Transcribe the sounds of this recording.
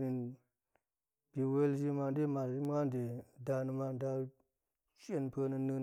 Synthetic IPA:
ɾi˨n | bi˨we˦ld͡ʒi˦ma˨nde˦ma˨i˦m˦ŋa˦nde˨da˨nɨ˦˧ma˧nda˧ | t͡ʃe˦˨npʰə˧nə˧nɨ˦

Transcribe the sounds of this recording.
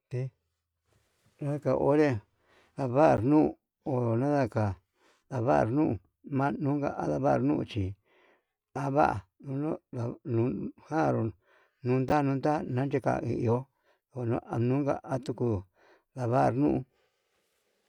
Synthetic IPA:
t̪e˧ | nã˦ða˦ka˨ʔo˦ɾe˦ | ða˨βa˦ʔɾnũ˦˨ | o˨nã˦ða˧ka˨ | ða˨˧βa˦ʔɾnũ˦ʔu˨ | mã˦nũ˦ŋɡa̰˧˨ʔa˦ða˧βa˦ʔɾnũ˦ṵ˧˨t͡ʃi˨ | a˦βa̰˦ʔa̰˨u˧nõ˦a˨nũ˨˦hã˦˨ɾo˨ | nũ˦nd̪a˦˧nũ˦nd̪a˦nã˦nd͡ʒe˦˧ka̰˧˨ĩ˧˨i˧o˦˨ | nã̰˦a˨nũ˦ŋɡa̰˧˨ʔa˦t̪u˧ku˧ | ða˨βa˦ʔɾnũ˦ʔu˧

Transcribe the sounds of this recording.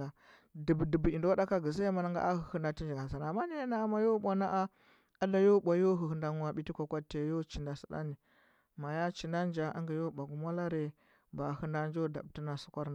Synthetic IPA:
a˨ | di˨bdi˨bi˨do˦a˦da˦ka˦ɡi˨za˦ma˨na˦ŋɡa̰˦ʔa˦hu˨hə˦nda˦ti˦nd͡ʒi˨ɡa˨za˨n˨a˨ma˦ni˦ja˦na˦a˦ma˦jo˦ɓʷa˦na˦ʔa˦ | a˦da˨jo˦ɓʷa˨jo˦ɦu˨hə˦nda˦ŋ˦a˨ɓi˦ti˦kʷa˨kʷa˦tːe˨˦jo˦t͡ʃi˨nda˨sa˨ɗa̰˦ni˨ | ma˨ja˦t͡ʃi˨na˦n˦d͡ʒa˨ʔa̰˦ŋɡi˨jo˦ɓa˨ɡu˦ma˦la˦ɾe˨ | ba˨hu˦nda˦nd͡ʒo˦˨da̰˨bti˦na˨su̥˦kʷa˦ɾna˨

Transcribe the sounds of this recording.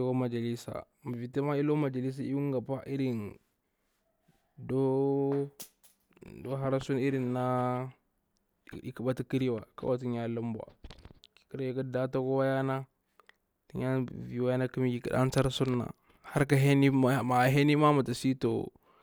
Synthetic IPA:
ko˦ma˨d͡ʒa˨li˦sa̰˨ | ma˨vi˨te˦ma˦i˦lo˦ma˨d͡ʒa˨li˦s̬a˦i˦wu˦ŋ˦ɡa˨pa˦ʔi˦ɾi˨n | do˦ | do˦ɦa˦ɾa˦su˦ni˦ɾi˨nːa˦ | ḭ˨ki˨ba˦ti˦ki˦ɾi˦wa˨ka̰˦wa˨t̬i˦ɲa˦lu˦m˦bwa̰˨ | ki˦ɾi˨ka˦da˦ta˦ko˦wa˦ja˦na˦ | ti˦ɲa˦vi˨wa˦ja˦na˦ki˦mi˦ki˨kḭ˨ɗa̰˦n˦t͡sa˦ɾsu˦nːa̰˨ | ha˦ɾka˦ɦe˦ni˦˨ma˨ɦe˦ni˦ma˦ma˨ta˨si˦to̰˨

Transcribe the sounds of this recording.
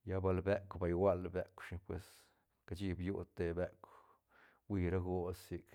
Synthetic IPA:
ja˦ba˧lbe˦kʷba˨˧jwa˦lbe˦kʷʃi˧pwe˨s | ka˧t͡ʃi˦bju˦t̪e˧be˦kʷ | wi˧ɾa˦ɡo˦si˧k

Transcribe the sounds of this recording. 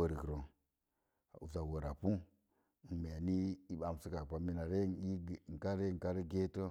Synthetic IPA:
ə˨ɾi˨kɾo˨ | a̰˨u˨za˨wo˨ɾa˨pu˦˨ | n̩˨me˨ni˦i˦ɓa˨m˨si˦ka˨pa˨mi˦na˨ɾe˦n˨i˦˨ŋ̩˨ka˦ɾe˦˨ka˦ɾi˦ɡe˦to˦

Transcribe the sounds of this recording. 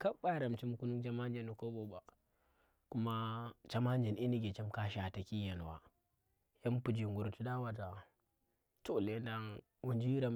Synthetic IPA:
ka˦ɓa˦˨ɾa˨mt͡ʃi˦mku˦nu˦ŋt͡ʃa˦ma˦nd͡ʒe˦nu˨ko˦bo˦ba˨ | ku˦ma˦t͡ʃa˦ma˦nd͡ʒi˨nʔi˦ni˦ɡe˨t͡ʃa˦mka˦ʃa˨ta˨ki˦ja˨n˨wa̰˨ | ja˦m˦pu˨d͡ʒi˨ŋɡu˨ɾtu˦da˦wa˨ta˨ | to˨le˨˦nda˦ŋ | u˨nd͡ʒi˦ɾa˨m

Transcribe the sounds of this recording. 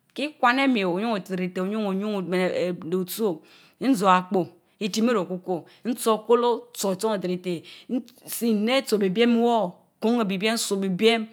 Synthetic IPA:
ki˦kwa˦ne˦me˨o˨ɲu˦ŋo˨ɾi˨te˨o˨ɲu˦ŋo˨ɲu˦ŋ˨me˨n˨do˨to˦ | n̩˦zo˨a˨k͡po˨ | i˨ti˨m˦e˦ɾo˨ku˦ko˨ | n̩˦t͡so˦˨ko˦lo˦t͡so˨t͡so˦ŋe˨dɾi˨te˨˦ | si˦˨ne˦t͡so˨be˨be˦m˦wo˦˨ | ko˦ŋe˨bi˨be˦n̩˦so˨bi˨be˦m

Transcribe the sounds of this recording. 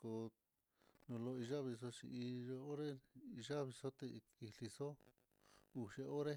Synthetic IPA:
ko˧ | nõ˧lo˧i˧ʒa˦βi˧s̬o˧t͡ʃḭ˧i˧o˧o˦ɾe˦i˧ʒa˦βi˧so˦t̪e˧i˧li˧so˦ | u˧ʃe˧o˦ɾe˦

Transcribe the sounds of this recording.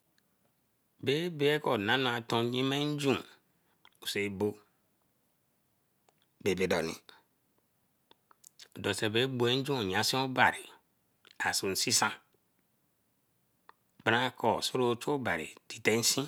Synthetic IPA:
be˦be˦e˦ko˨na˦no˦a˨tõ˦ɲi˦me˦n̩˦d͡ʒũ˦˨ | o˨se˨˦bo˦ | be˨be˨do̰˨nḭ˨ | o˨do˨se˨be˦bu˨e˦n̩˦d͡ʒũ˦o˨ɲa˨sĩ˦o˦ba̰˨ɾi˨ | a˨so˨n̩˨˦si˦sa˦˨ | b̥a˦ɾa˦kɔ˨so˦ɾo˦t͡ʃo˦o˦ba̰˨ɾḭ˨ti˨te˦n˦sĩ˦

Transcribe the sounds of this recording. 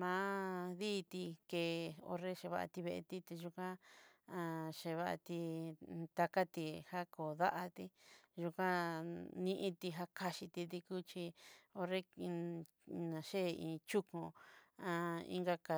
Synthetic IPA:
mãː˦ðiː˦˧t̪i˧ke˨o̰˧ɾe˦ʃe˧βa̰˧ʔa̰˧t̪i˧βe˧ʔe˧t̪i˦t̪e˧ʒu˧kã˦a˧ʃe˧βa˦ʔa̰˧t̪i˧t̪a˧ka˦t̪i˧ha˦ko˨ða˦ʔa˧t̪i˧ʒu˧kã˦nĩ˦˧ʔĩ˧t̪i˧ɦa˦ka˧ʃi˧t̪i˧t̪i˧ku˦t͡ʃi˧o˧ɾe˦ | nã˨ʃe˦˨ḭ̃ː˧t͡ʃu˦kũ˧ã˧ḭ˦ŋɡa˧ka˨

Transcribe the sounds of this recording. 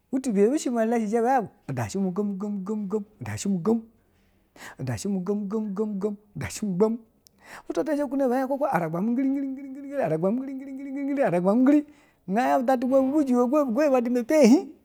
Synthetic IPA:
wu˦tu˨be˨˦bu˦ʃi˦ma˨la˦ʃi˨d͡ʒe˦ba˨˦ja˦bu˨o˨da̰˨ʃi˦mu˨ɡo˦mu˦ɡo˦mu˨˦ɡo˦m˦ɡo˦mo˨da̰˨ʃi˦mu˨ɡo˦m | o˨da˨ʃi˦mu˨ɡo˦m˦ɡo˦m˦ɡo˦m˦ɡo˦mo˨da˨ʃi˦mu˨ɡ͡ba˦m | u˦to˦te˦d͡ʒe˦ku˦ne˦˨ba˨˦a˦ko˦ko˦a˨ɾa˨ɡ͡ba˨mu˦ɡi˦ɾi˦ɡi˦ɾi˦ŋ˦ɡɾi˦ɡɾi˦ɡa˨ɾa˨ɡ͡ba˨m˦i˦i˦ŋ˦ɡi˦ɾi˦ŋ˦ɡɾi˦ɡɡi˦ɾi˦a˨ɾa˨ɡ͡ba˨mu˦ɡi˦ɾi˦˨ | ŋɡa˦ja˦bu˨da˦t̬u˦ɡo˦bu˦bu˦d͡ʒi˨wo˦˨˦ɡʷo˦bu˨ɡo˦e˦ba˨di˦me˨pe˦˨hi˦

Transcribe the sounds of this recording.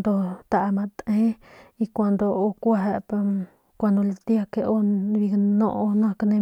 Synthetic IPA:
nd̪o˧t̪a˧ʔa˧mã˧t̪ẽ˦i˧kʷa˧nd̪o˧o˧kʷa˧ɦe˧pa˧ | kʷa˧nd̪õ˧lt̪i˦a˧ke˧ʔo˦˧βi˧nõ̰˦˧ʔo˧nã˧knẽ˧

